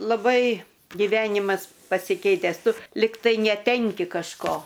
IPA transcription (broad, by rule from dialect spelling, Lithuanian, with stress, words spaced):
lˠɐˈbɐɪ ɡʲɪˈʋʲæːnʲɪmɐs pɐsʲɪˈkʲɛɪtʲæːs ˈtʊ ˈlʲɪktɐɪ nʲɛˈtʲɛŋʲkʲɪ kɐʃˈkoː